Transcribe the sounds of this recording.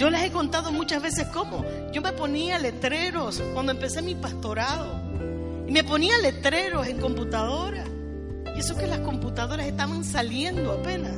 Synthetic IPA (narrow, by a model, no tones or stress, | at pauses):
d͡ʒo̞lase̞ko̞nt̪aðo̞mut͡ʃazβe̞se̞sko̞mo̞ | ɟ͡ʝo̞me̞po̞niale̞t̪ɾe̞ɾo̞skwand̪oempe̞se̞mipast̪o̞ɾaðo | ime̞po̞niale̞t̪ɾe̞ɾo̞se̞ŋko̞mput̪aðo̞ɾa | iesoke̞lasko̞mput̪aðo̞ɾase̞st̪aβansalje̞nd̪oape̞nas